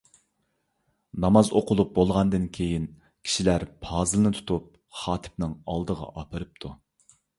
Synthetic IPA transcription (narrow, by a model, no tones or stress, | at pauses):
nɑmɑzoqʊlˠup̚bolˠʁɑnd̪ɨnkʲʰejin | kʲʰi̥ʃilæɾpʰɑːzɨlˠɨnɨt̪ʰu̥t̪ʰup̚ | χɑːt̪ʰɪ̥pnɨŋɑlˠd̪əʁɑ̰ʔɑpʰɨɾɨp̚t̪ʰu